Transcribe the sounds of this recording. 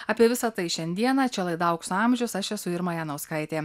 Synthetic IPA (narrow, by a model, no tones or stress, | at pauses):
ɑːpʲiɛʋʲɪsɐt̪ɐɪʃʲɛnʲd̪ʲiɛnɑːt͡ʃʲɛlˠɐɪd̪ɐʊksʊɑmʲʒʲʊsɐʃɛsʊɪɾmɐjæːnɐʊskɐɪt̪ʲeː